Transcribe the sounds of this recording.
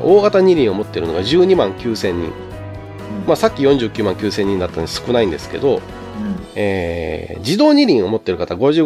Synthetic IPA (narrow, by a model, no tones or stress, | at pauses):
o̞ːɡat̪aɲ̟iɾʲĩɰ̃o̞mo̞t̪ːe̞ɾɯ̟no̞ɡaʑɨːɲ̟imãŋkʲɨːsẽ̞ɲ̟ːḭ̃ŋ | maːsakʲːijõɲ̟d͡ʑɨːkʲɨːmãŋkʲɨːsẽ̞ɲ̟ːĩnd̪at̪ːanod̪asɨ̥kɯ̟naĩnd̪e̞sɨ̥ke̞̰d̪o̞ | eːd͡ʑid̪o̞ːɲ̟iɾʲĩɰ̃o̞mo̞t̪ːe̞ɾɯ̟kat̪aɡo̞ʑɨː